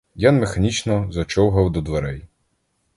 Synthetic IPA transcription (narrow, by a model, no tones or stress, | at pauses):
janmexɐnʲit͡ʃnɔzɐt͡ʃɔwɦɐwd̪ɔd̪ʋeɾɛj